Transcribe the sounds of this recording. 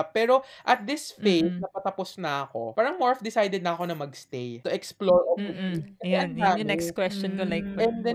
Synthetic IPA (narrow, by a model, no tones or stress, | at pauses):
pɛːɾo̞ʔɐt̪̚d̪ɪsfejsnɐpɐt̪ɐposnɐʔɐko̞̰paːɾɐŋmoɹfd̪ɪsajd̪ɛd̪̚nɐːko̞nɐmɐɡst̪ejt̪ʊʔɛksploɹʔoɪikɐɛɐŋanɛkskwɛst͡ʃɔnkolajk̚ɛnd̪ɛ